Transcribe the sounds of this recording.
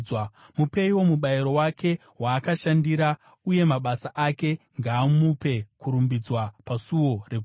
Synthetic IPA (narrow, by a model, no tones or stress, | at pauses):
wa | mupe̞iwo̞muɓaiɾo̞wake̞ | waːkaʃandiɾa | uje̞maɓasaʔake̞ | ŋɡaːmupe̞kuɾumbid͡zwapasuwo̞rek